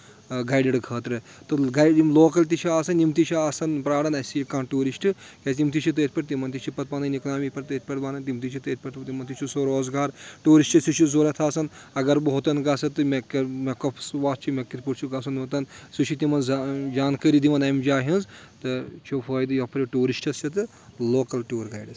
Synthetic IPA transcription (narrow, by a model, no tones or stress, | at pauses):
ɡaːjɖiɖɡʰɐːt̪ɾɨ | t̪ɨɡaimloːkɐlʲt̪̬it͡ʃʰiaːsɐnimt̪it͡ʃʰiaːsɐnpɾaːɽɐnɐsikaːnʈuːɾisʈɨkʲesʲnʲimt̪it͡ʃʰit̪̬ɨet̪̚ʰpʲɐʈt̪̬imɐnt̪̬it͡ʃʰipɐt̪̚baːnɐniknaːmipʲɐɾt̪ɨet̪̚pʲɐʈt̪baːnɐnt̪imt̪it͡ʃʰit̪ɨet̪̚ʰpʲɐʈt̪t̪imɐnt̪it͡ʃʰusoɾoːzɡaːɾʈuːɾiʃʈɐsit͡ʃʰizoːɾɐt̪ʰaːsɐnɐɡɐɾbɨɦot̪ɐnɡɐsɐt̪ːɨmekmekɐpʰsʋaːt̪t͡ʃʰimekit̪puʈt͡ʃʰuɡasɐnot̪ɐnsut͡ʃʰit̪imɐnzd͡ʒaːnkəɾid̪iʋɐnɐmd͡ʒaːɦinzt̪ɨt͡ʃʰofʰɐːjd̪ɨjɐpʰɾʲiʈuːɾiʃʈɐst͡ʃʰɐt̪ɨ | loːkɐlʈuːɾɡɐjɖɐs